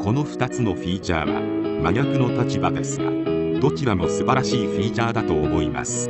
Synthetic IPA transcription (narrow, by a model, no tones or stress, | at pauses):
ko̞no̞ɸɯ̟̥t̪at͡sɨno̞ɸʲiːt͡ɕa̰ːβa̰maɲʲakɯ̟not̪at͡ɕibad̪e̞sɨɡa̰d̪o̞t͡ɕiɾamo̞sɨbaɾaɕiːɸiːt͡ɕaːd̪at̪o̞ːmo̞ima̰sɨ̥